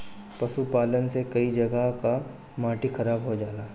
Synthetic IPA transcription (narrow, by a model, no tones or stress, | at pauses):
pɐʃupaːlənsekɐid͡ʒɐɡəka | maːʈixʰɐɾaːbɦod͡ʒaːlaː